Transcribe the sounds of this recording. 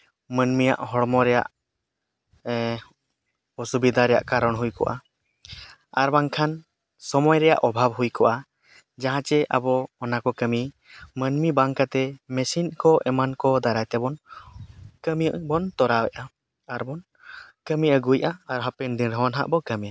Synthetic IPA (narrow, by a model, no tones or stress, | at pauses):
mənmija̰ʔɦɔɽmɔɾɛja̰ʔ | ɔsubid̪ʱaɾɛja̰ʔkaɾɔɽɦujkɔ̰ʔa̰ | aɾbaŋkʰan | sɔmɔjɾɛja̰ʔɔbʱabɦujkɔʔa | d͡ʒaɦãt͡ʃɛʔabɔːnakɔkəmi | mənmibaŋkat̪ɛmɛsinkɔʔɛmankɔd̪aɾajt̪ɛbɔn | kəmiʔbɔnt̪ɔɾawɛʔa | aɾbɔn | kəmiəɡujʔaːɾɦapɛnd̪iɾɦɔnɦa̰ʔbɔkəmija